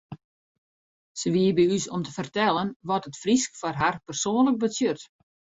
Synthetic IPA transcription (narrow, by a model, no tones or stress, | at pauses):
səʋiəbɛysɔmtəfərtɛlˠənʋɔtətfriskfɔrɦarpərsoːnlək̚bəsjørt